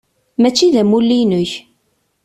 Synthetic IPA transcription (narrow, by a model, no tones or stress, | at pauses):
mæt͡ʃːiðæmulːinʊç